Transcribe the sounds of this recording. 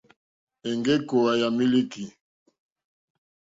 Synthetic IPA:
e˨ŋɡe˦ko˨a˨ja˨mi˦li˦ki˨

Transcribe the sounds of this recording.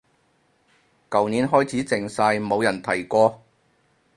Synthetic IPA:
kɐ˨wniː˨˧˥nɦɔː˥jt͡sʰiː˨˥t͡sɪ˨˩ŋsaː˧jmo˨˧wjɐ˨˩nt̪ʰɐ˨˩jkɔː˧

